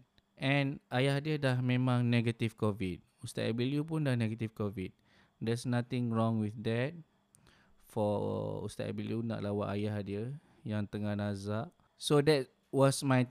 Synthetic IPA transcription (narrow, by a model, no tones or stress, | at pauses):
ʔɛ̃nʔajahdiədahmẽmãŋnɛɡət̪ifkɔvit̚ | ust̪at̚ɛbiljupundahnɛɡət̪ifkɔvit̚ | dɛsnat̪ɪ̃ŋɹɔ̃ŋwiθdɛt̚ | fɔ̰ṵst̪a̰tɛ̰biliuna̰ʔlawaʔajahdiə | jãŋt̪əŋahnazaʔ | sodɛt̚ | wɔsmaj